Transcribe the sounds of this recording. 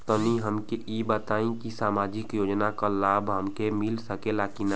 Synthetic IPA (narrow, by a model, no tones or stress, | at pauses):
t̪ɔniɦəmkeʔibət̪aːĩkisaːmaːd͡ʒɪkjoːd͡ʒnakalaːbʱɦəmkemɪlsəkelaːkina